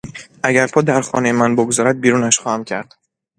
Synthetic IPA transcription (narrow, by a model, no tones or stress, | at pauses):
ʔæɟæɾpʰɒːd̪æɾxɒ̰ːne̞jemænboɡzɒːɾæd̪̚biːɾuːnæʃxɒːhæmcʰæɾd̪̥